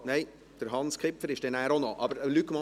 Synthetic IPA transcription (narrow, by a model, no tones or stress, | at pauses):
nɛɪ | d̥əɾɦɑnskʰɪpfəɾɪʃd̥ɛnæːɾonoʔɑbəɾlykmɑ